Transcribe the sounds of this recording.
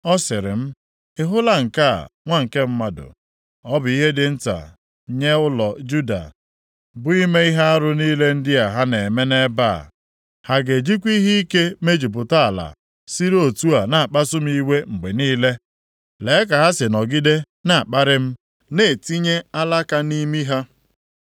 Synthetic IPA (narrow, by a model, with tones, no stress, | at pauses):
ɔ˦sɪ˨ɾɪ̰˨m̩˦ | ɪ˨ɦʊ˦la˦ŋ̩˨ka̰˦˨ŋʷa˦ŋ̩˨ke˦m̩˦ma˦dʊ̰˨ | ɔ˦bʊ˨i˦ɦe˦dɪ˨n̩˦ta̰˨ | ɲe˦ʊ˦lɔ˨d͡ʒu˦da̰˨ | bʊ˦i˦me˦i˦ɦe˦a˦ɾʊ˦niː˦le˦n̩˦dɪ˦a˨ɦa˦ne˨me˦ne˦ba̰˦˨ | ha˦ɡe˨d͡ʒi˦kʷi˦ɦi˦i˦ke˦me˦d͡ʒi˨p̬ʊ˨ta˦a˨la̰˨ | si˦ɾo˨tu˦a˨na˨a˨k͡pa˦sʊ˦m̩˦i˦we˦ŋ͡m̩˨ɡ͡be˨niː˦le˦ | le˨˦k̬a˨ɦa˦sɪ˨nɔ˨ɡi˦de˦ | na˨k͡pa˦ɾɪ˦m̩˦ | ne˨ti˦ɲe˦a˦la˦ka˦ni˦mi˦ɦa˦